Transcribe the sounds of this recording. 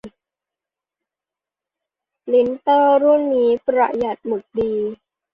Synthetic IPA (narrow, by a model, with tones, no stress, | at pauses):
li˦˥nt̪ɤː˥˩ɾu˥˩nːiː˦˥pɾa̰˧˩ja˨˩t̪̚mɯ˨˩k̚diː˧